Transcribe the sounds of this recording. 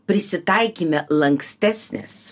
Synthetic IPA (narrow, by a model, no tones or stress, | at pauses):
pʲɾʲɪsʲɪt̪ɐɪkʲiːmʲɛlˠɐŋksʲt̪ʲæsʲnʲɛ̰s